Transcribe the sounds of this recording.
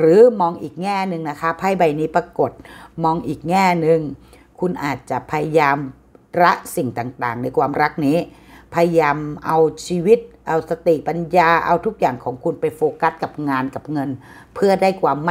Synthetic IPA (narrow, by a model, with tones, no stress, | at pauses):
ɾɯː˨˩˦mɔː˧ŋʔiː˨˩k̚ŋɛː˥˩nɯ˨˧ŋna˦˥kʰa˦˥pʰa˥˩jba˧jniː˦˥pɾa˧ko˨˩t̪̚mɔː˧ŋʔiː˨˩k̚ŋɛː˥˩nɯ˧ŋ | kʰu˧nʔaː˨˩t̪̚t͡ɕa˨˩ʔpʰa˧ja˧jaː˧m | ɾa˦˥ʔsi˨˩ŋt̪aː˨˩ŋt̪aː˨˩ŋna˧jkʰwaː˧mɾa˦˥k̚niː˦˥pʰa˧ja˧jaː˧mʔa˧wt͡ɕʰiː˧wi˦˥t̪̚ʔa˧wsa˧t̪i˨˩ʔpa˧njaː˧ʔa˧wt̪ʰu˦˥k̚jaː˨˩ŋkʰɔː˩˦ŋkʰu˧npa˧jfoː˧ka˦˥t̪̚ka˨˩p̚ŋaː˧nka˨˩p̚ŋɤ˧n | pʰɯ˥˩ɐdaː˥˩jkʰwaː˧mː˥